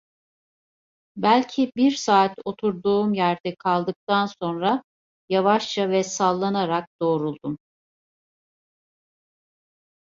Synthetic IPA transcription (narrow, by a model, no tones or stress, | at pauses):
bælʲcʰibiɾsaːt̪o̞t̪ʰuɾd̪uːmjæɾd̪ɛkʰalˠd̪ɯk̚t̪anso̞nɾa | javaʃt͡ʃavɛsalˠːanaɾak̚d̪̥o̞ːɾulˠd̪um